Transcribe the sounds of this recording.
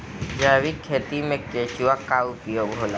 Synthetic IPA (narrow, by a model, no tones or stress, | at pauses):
d͡ʒaːʋikʰːeːt̪imẽkeːt͡ʃuwakaʊpjoːɡɦoːla